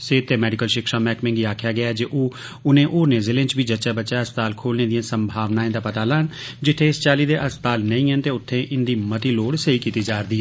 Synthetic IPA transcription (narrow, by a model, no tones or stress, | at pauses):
seːt̪ʰːeːmɛːɖɪkəlʃɪkʃãːmɛːkmɪ̃ŋɡiːaːkʰjaːɡɪaːɛd͡ʒeːʔoː | ʊnẽːʔoːnẽːzɪlẽnt͡ʃbiːd͡ʒətːʃaːbətːʃaːəst̪aːlkʰoːlneːd̪ijãːsəmbʱaːʋnaːɪ̃d̪aːpət̪aːlaːn | d͡ʒɪt̪ʰːeːɪst͡ʃaːliːd̪eːʔəst̪aːlnəĩːɦənt̪eːʊt̪ʰːẽːʔɪnd̪iːmət̪iːloːɽsəiːkiːt̪iːd͡ʒaːɾd̪iː